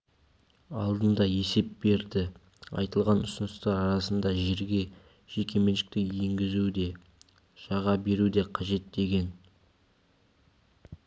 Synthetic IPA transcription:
ɑlˠd̪ənd̪ɑje̞se̞p̚be̞ɾd̪ɪ | ɑ̰jt̪əlˠʁɑnʊsənəst̪ɑɾɑɾɑsənd̪ɑʒeɾɡʲe̞ | ʒ̥ekʲʰe̞me̞nʃɪ̥k̚t̪ɪje̞ŋɡʲɪzud̪e̞ | ʒ̥ɑʁɑbe̞ɾud̪e̞qʰɑʒe̞t̪̚d̪e̞ɡʲe̞n

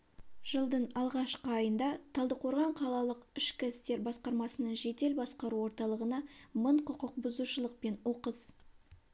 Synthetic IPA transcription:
ʒ̥əlˠd̪ənɑlˠʁɑʃqəɑjənd̪ɑt̪ʰɑlˠd̪əqʰo̞ɾʁɑɴqʰɑlˠɑlˠəqɪʃkʲɪst̪e̞ɾbɑsqɑɾmɑsənəɴʒe̞t̪e̞lbɑsqɑɾuwo̞ɾt̪ɑlˠəʁənɑməɴqʰʊqəq̚bʊzuʃəlˠəq̚pe̞nwo̞qəz

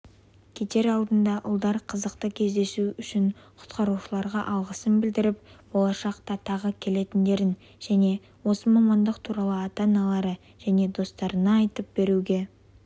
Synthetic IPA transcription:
kʲʰe̞t̪e̞ɾɑwˠd̪ənd̪ɑʔʊ̰lˠd̪ɑɾqʰəzəqt̪əkʲʰe̞zd̪e̞suʏʃɪɴqʰʊ̥t̪qɑɾuʃəlˠɑɾʁɑʔɑlˠʁəsənbɪld̪ɪɾɪp̚bo̞lˠɑʃɑqt̪ɑt̪ʰɑʁəkʲʰe̞le̞t̪ɪnd̪e̞ɾɪn | ʒ̥æne̞ | wo̞səmɑmɑnd̪əqt̪ʰuɾɑlˠəɑt̪ɑnɑlˠɑɾə | ʒ̥æne̞d̪o̞st̪ɑɾənɑːjt̪əp̚b̥e̞ɾuɡʲe̞

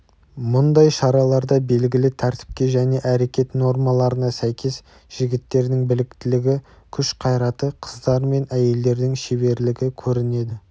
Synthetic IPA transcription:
mʊnd̪ɑjʃɑɾɑlˠɑɾd̪ɑbe̞lɡʲɪlɪt̪ʰæɾt̪ɪ̥p̚kʲe̞ʒæne̞ʔæɾe̞kʲe̞t̪no̞ɾmɑlˠɑɾənɑsæjkʲʰe̞s | ʒ̥ɪɡʲɪt̪ːe̞ɾd̪ɪŋbɪlɪkt̪ɪlɪɡʲɪ | kʲʰʏʃqʰɑjɾɑt̪əqʰəzd̪ɑɾme̞næje̞ld̪e̞ɾd̪ɪŋʃeβe̞ɾlɪɡʲɪkʲʰɵɾɪne̞d̪ɪ

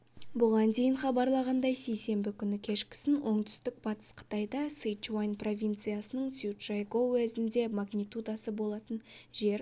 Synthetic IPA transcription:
bʊʁɑnd̪e̞jɪnχɑbɑɾlˠɑʁɑnd̪ɑjse̞jse̞mbɪkʲʰʏnɪkʲʰe̞ʃkʲɪ̥sɪnwʔo̞ɴd̪ʏ̥st̪ɪk̚b̥ɑt̪ə̥sqʰə̥t̪ɑjd̪ɑsɨjt͡ʃwajnpro̞vʲijnt̪sɨjasənəɴsut̪ʒ̥ajɡo̞wæzɪnd̪e̞maɡnʲit̪ud̪asəbo̞lˠɑt̪ənʒe̞ɾ

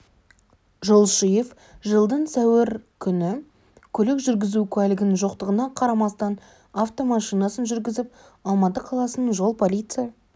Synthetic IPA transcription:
ʒo̞lˠʃijef | ʒəlˠd̪əɴsæwɪɾkʲʰʏnɪ | kʲʰɵlɪkʒʏɾɡʲɪzukʲʰælɪɡʲɪnɪnʒo̞qt̪əʁənɑqʰɑɾɑmɑst̪ɑn | aft̪o̞mɑʃijnɑsənʒʏɾɡʲɪzɪp̚ | ɑlˠmɑt̪əqʰɑlˠɑsənʒo̞lˠpʰo̞lʲijt̪sɨja

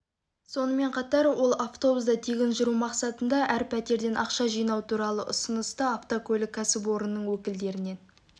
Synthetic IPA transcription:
so̞nəme̞ɴqʰɑt̪ɑɾwo̞lˠaft̪o̞busd̪ɑt̪ʰiɡʲɪnʒʊɾumɑqsɑt̪ənd̪ɑʔæɾpʰæt̪e̞ɾd̪e̞nʔɑqʃɑʒijnɑwt̪ʰuɾɑlˠəʔʊ̰sənəst̪əaft̪okʲʰɵlɪkʲʰːæsɪp̬o̞ɾənːəɴwɵkʲɪld̪e̞ɾɪne̞n

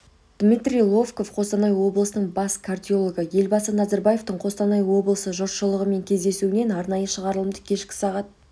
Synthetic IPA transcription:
d̪̥mijt̪rʲijlˠo̞vko̞fqʰo̞st̪ɑnɑjwo̞blˠəsənəɴbɑskʰard̪ʲio̞lˠoɡəje̞lbɑsənɑzɑɾbɑje̞ft̪əɴqʰo̞st̪ɑnɑjəwo̞blˠəsəʒʊɾʃəlˠəʁəme̞ŋkʲʰe̞zd̪e̞suɪne̞nɑɾnɑjəʃəʁɑɾəlˠəmd̪əkʲʰe̞ʃkʲɪ̥sɑʁɑt̪̚

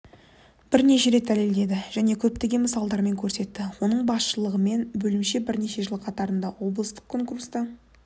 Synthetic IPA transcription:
b̥ɪɾne̞ʃe̞ɾe̞t̪̚d̪æle̞ld̪e̞d̪ɪʒ̥æne̞kʲʰɵpt̪e̞ɡʲe̞məsɑlˠd̪ɑɾme̞ŋkʲʰɵɾse̞t̪ːɪwo̞nəɴbɑsʃəlˠəʁəme̞nbɵlɪmʃe̞bɪɾne̞ʃe̞ʒəlˠəqʰɑt̪ɑɾənd̪ɑwo̞blˠəst̪ə̥qkʰo̞ŋkurst̪ə

